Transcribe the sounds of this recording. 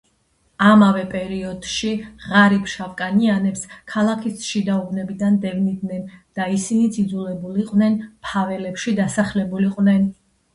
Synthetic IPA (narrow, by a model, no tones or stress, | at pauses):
amavɛpʼɛɾiɔd̪̥ʃiʁaɾipʃavkʼanianɛpskʰalˠakʰisʃid̪aubnɛbid̪and̪ɛvnid̪nɛnd̪̥aisinit̪sʰid̪zulˠɛbuliqʼvnɛnpʰavɛlɛpʃid̪asaχlɛbuliqʼvnɛn